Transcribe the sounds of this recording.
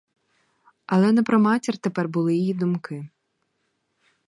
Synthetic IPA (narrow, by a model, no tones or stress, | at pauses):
ɐlˠɛnɛpɾɔmɑtʲirt̪epɛrbʊlˠɪjijid̪ʊmkɪ